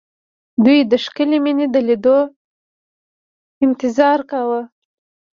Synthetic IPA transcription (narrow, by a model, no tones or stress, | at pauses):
d̪ujd̪əʃkəlemined̪əled̪o | ɪnt̪ɪzɑɾkawə